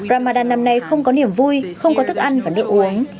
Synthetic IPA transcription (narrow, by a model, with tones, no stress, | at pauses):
zaː˨˩maː˨˩ɗaː˨˩nːa˨˩mna˨˩jxə˧wŋ͡mkɔ˨˦ni˧˩əmvu˧jxə˧wŋ͡mkɔ˨˦t̪ʰɨ˦˥k̚ʔa˧nvaː˨˩nɨ˦˥ək̚ʔu˨˦əŋ